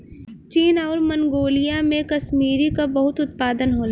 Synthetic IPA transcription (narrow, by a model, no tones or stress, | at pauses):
t͡ʃiːnɔːɾmɐŋɡoːlijamẽkɐʃmiːɾikabɐɦʊt̪ʊt̪̚paːd̪ənɦoː